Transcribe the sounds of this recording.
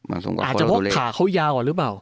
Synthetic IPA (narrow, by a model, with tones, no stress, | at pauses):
aː˨˩t͡ɕa˨˥˧pʰɔ˦˥kʰːaː˩˦kʰa˦˥wjaː˧kɔː˨˩ɾɯ˦p̬aː˨˩w